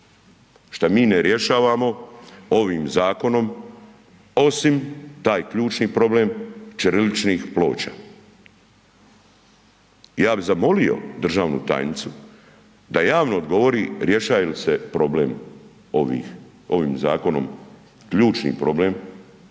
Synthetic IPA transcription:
ʃt̪amiːneɾje̞ʃaːʋamo̞o̞ʋiːmzaːko̞no̞m | o̞simt̪aːjkʎuːt͡ʃniːpɾo̞blemt͡ʃəɾelit͡ʃniːxplo̞̰ːt͡ɕa̰ː | jaːbizamo̞lio̞̰d̪r̩ʒaːʋnṵt̪a̰jnit̪su | d̪ajaːʋnoːd̪ɡo̞ʋo̞ɾiɾje̞ʃaːelisepɾo̞blem | oʋḭːx | o̞ʋiːmzaːko̞no̞̰m | kʎuːt͡ʃnḭːpɾo̞blem

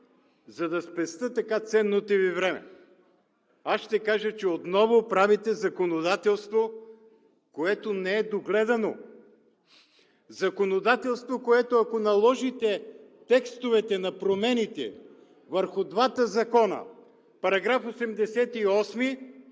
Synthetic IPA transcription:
zɐd̪ɐspɛst̪ət̪ɐkat̪sɛnːot̪ɛvivɾɛmɛ̰ | asʃt̪ɛkaʒət͡ʃɛot̪nɔvopɾavit̪ɛzɐkonod̪at̪ɛlˠst̪vo | koɛt̪onɛɛd̪oɡlɛd̪ɐno̰ | zɐkonod̪at̪ɛlˠst̪vokoɛt̪oɐkonɐlˠɔʒit̪ɛt̪ɛkst̪ovɛt̪ɛnɐpɾomɛnit̪ɛ̰ | vəɾxʊd̪vat̪əzɐkɔnə̰ | pɐɾɐɡɾafosɛmd̪ɛsɛt̪iɔsmi

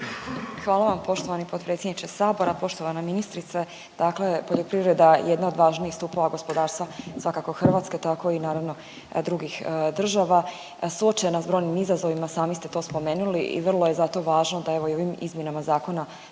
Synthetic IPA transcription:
xʋaːlaʋampo̞ʃt̪o̞ʋanipot̪pɾe̞t̪sʲjed̪nit͡ʃesaːbo̞ɾapo̞ʃt̪o̞ʋanaminist̪ɾit̪se | d̪̥akle̞po̞ʎopɾiʋɾed̪ajed̪nao̞d̪ʋaːʒniːxst̪upoʋaɡo̞spo̞d̪aːɾst̪ʋasʋakako̞xr̩ʋaːt̪ske̞t̪ako̞inaːɾaʋno̞ | d̪ɾuɡixd̪r̩ʒaːʋa | suot͡ʃenasbɾo̞jnimizazo̞ʋimasaːmist̪e̞t̪o̞ːspo̞meːnuliʔḭʋr̩lˠo̞je̞zat̪o̞ʋaːʒnod̪ae̞ʋoo̞ʋimḭzmje̞namazaːko̞na

